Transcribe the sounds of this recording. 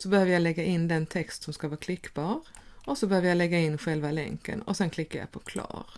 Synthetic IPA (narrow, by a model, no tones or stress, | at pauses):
sɔbəhøːʋəɾjaɪlɛɡːaʔɪnːd̪ɛnt̪ʰɛkst̪sɔmskaʋɑːɾkʰlɪkːbɑːɾɔsɔbɛhøːvəɾjaɪlɛɡːaɪnːɧɛlʋalɛ̰ŋkə̰nɔsɛnkʰlɪkːaja̰ɪpʰɔkʰlɑ̰ːɾ